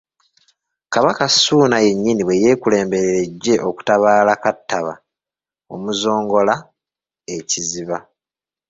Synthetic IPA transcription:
kaβakasuːnaje̞ɲːiniβwe̞je̞ːkule̞ːmbe̞ɾeɾe̞ɟːe̞ʔoku̥taβaːlakatːaβa̰ | o̞̰muzo̞ːŋɡo̞la | e̞ciziβa

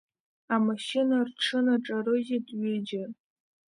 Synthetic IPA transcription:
amaʃinarʈ͡ʂʰɨnaʈ͡ʂʼaɾɨjɪtʼɥʏd͡ʒa

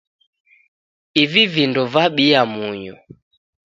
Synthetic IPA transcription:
ivivindɔvaɓiamuɲɔ̰

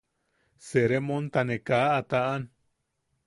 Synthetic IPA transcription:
seɾemõnt̪anẽkaat̪aʔan

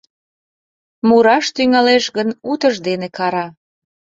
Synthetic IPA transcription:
muɾɑʃt̪yŋɑleʃɣənut̪əʒd̪enekɑɾɑ

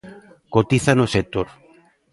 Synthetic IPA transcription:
kot̪iθanoset̪oɾ

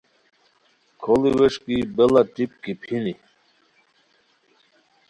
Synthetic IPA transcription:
kʰoliweʂkibelat̪ip̚kipʰini

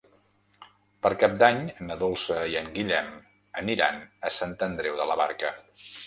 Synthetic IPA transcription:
pəɾkap̚d̪aɲənəðolˠsəiəŋɡiʎɛm | əniɾa̰nəsant̪ənd̪ɾɛwðələβa̰ɾkə

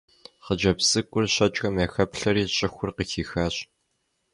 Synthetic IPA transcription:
χəd͡ʒɐpsɨkʷʼʊrɕɐt͡ʃʼxɐmeːxɐpɬɐɾiːɕʼɪxʷʊrqəxiːxaːɕʼ

